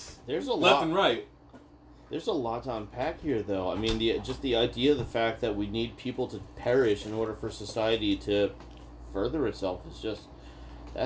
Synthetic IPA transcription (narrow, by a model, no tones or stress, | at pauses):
ðə˞zəllɛ̃n̩ɹaɪt̚ | ðə˞zəlɔtʰãɪ̃npʰækhiɹðoʊaɪmĩnðid͡ʒʌst̪̚ðiaɪdiɨʌvðəfæk̚t̪̚ðɨt̚winid̚pʰipl̩ˠtʰɨpʰɛɹɪʃɨ̃nɔɹɾə˞fə˞sɨsaɪɨɾiɾɨ | fɜ˞ðə˞ɨtsɛlˠfɨzd͡ʒʌst̚ | ðæ̰